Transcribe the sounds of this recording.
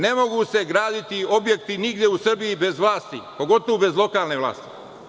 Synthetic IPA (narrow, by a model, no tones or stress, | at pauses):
ne̞mo̞ɡuse̞ɡɾaːd̪it̪io̞bje̞kt̪iniɡd̪jeusr̩bijibe̞zʋlaːst̪ḭpo̞ɡo̞t̪oʋube̞zlˠo̞kaːlne̞ʋlˠa̰ːst̪i̥